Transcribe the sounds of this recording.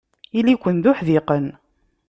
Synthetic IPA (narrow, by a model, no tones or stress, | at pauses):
ilikʷənd̪ʊħðɪqən